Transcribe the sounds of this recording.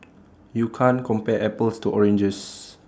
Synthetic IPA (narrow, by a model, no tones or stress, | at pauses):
jukʰãnkʰɔ̃mpɛʔɛpəlstuʔɔɹɛ̃nd͡ʒəs